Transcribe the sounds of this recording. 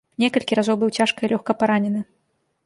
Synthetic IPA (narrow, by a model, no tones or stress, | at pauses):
nʲɛkɐlʲkʲiɾazɔwbɨwt͡sʲaʂkɐilʲɔxkɐpaɾanʲɛnɨ